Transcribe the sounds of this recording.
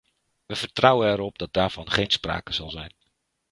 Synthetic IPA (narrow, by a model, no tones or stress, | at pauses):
ʋəv̥əɹtrʌwənɛɾɔp̚dɑt̚d̥aːɹv̥ɑnχejnspra̰ːkəzɑlˠzɛjn